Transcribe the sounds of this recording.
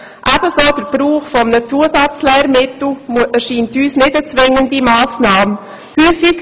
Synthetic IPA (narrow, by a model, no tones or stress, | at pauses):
ʔab̥əsoːd̥əɾb̥ɾuːχfɔmnət͡suəsɑt͡slɛːɾmɪtl̩mæɾʃiːntyːsnɪdət͡sʋɪŋəndimaːsnaːm | hyːfik